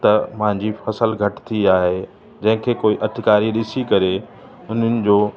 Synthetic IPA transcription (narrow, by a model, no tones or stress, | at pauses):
t̪ɐmɐ̃ɦɪ̃ɲd͡ʑifɐsəlɡʱɐʈt̪ʰiaːɦe | d͡ʑɐ̃ɦɪ̃kʰeːkoːiʔɐd̪ʰʱɪkaːɾiɾɪsikɐɾe | ʊn̤ənɪ̆d͡ʑoː